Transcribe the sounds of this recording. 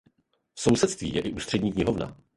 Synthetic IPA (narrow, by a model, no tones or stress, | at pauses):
fso̞wsɛt̪st̪vḭːjɛʔɪʔuːst̪r̝̥ɛdɲiːkɲɪɦovna̰